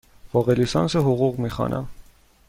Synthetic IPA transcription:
vɔʁɛlisɑnsəɦuʁuʁmiχɑ̰nʔɑ̰

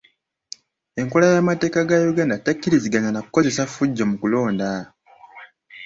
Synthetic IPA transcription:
e̞ŋko̞lajamate̞ːkaɡajuɡaːndatakːiɾiziɡaɲanakuko̞ze̞safuɟːomukulo̞ːnda

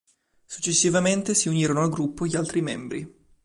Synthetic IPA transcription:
su̥t͡ʃːesːivament̪esiuniːɾonoaɡɾupːoʎialt̪ɾimembɾi

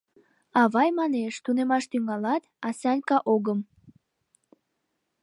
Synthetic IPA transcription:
ɑβɑjmɑneʃt̪unemɑʃt̪yŋɑlɑt̪ɑsɑlʲkɑʔoɣəm

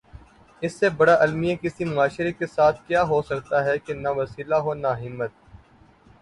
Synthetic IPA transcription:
ɪsːebɐɽaʔɐlmijẽkɪsimʊaːʃɪɾekesaːt̪ʰkjaːɦosɐkt̪aɦɛkenɐʋɐsiːlaɦonaɦɪmːət̪̚

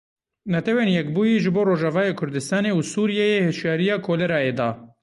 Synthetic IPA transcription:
nɛt̪ʰɛweːnjɛkbuːjeʒɨboːɾoːʒɑvɑːjekʰʊɾd̪ɨst̪ɑːneːusuːɾijɛjehɪʃjɑːɾijɑːkʰoːlɛɾɑːjeːd̪ɑ̰ː

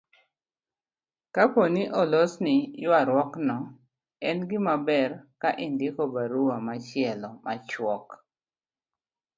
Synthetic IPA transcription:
kaponiʔɔlɔsnɪjʊaɾwɔknɔ | ɛnɡɪmabɛrkaʔɪndɪkɔbaɾuwamat͡ʃɪɛlɔmat͡ʃwɔk

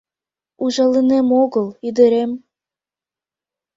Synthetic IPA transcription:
uʒɑlinemoɣɤ̆lˠid̪ĕɾem

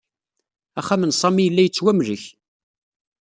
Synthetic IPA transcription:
æχːæmənsˤɑmijəlːæjət͡sːwæmləç

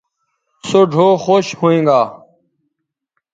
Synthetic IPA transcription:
soɖʱoːxoːɕhoːẽːŋɡaː

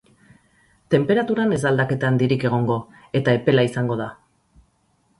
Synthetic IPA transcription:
t̪e̞mpe̞ɾat̪uɾane̞zald̪ake̞t̪aaːnd̪iɾike̞ɣ̞o̞ŋɡo̞ | e̞t̪ae̞pe̞laisaŋɡo̞ða

